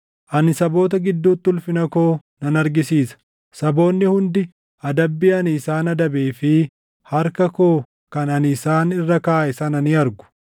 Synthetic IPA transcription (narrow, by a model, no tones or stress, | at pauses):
ʔɐnɪsɐbo̞ːt̪ɐɡɪd̪ːuːt̪ːʊlfɪnɐkoːnɐnɐɾɡɪsiːsɐ̥ | sɐbo̞ːnːɪhʊnd̪ɪ | ɐd̪ɐbːiːɐnːsaːnɐd̪ɐbeːfɪ | hɐɾkɐkoː | kɐnɐnɪsaːnɪrːɐkaːʔɪsɐnɐnɪɐɾɡʊ̥